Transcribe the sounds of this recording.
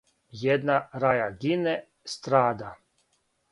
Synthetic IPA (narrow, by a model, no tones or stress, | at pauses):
jɛd̪naɾajaɡinɛ | st̪ɾaːd̪a